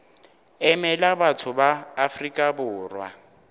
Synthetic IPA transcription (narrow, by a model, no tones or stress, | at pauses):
ɛmɛlabatʰʊbaːfrikʼabʊːrwa̰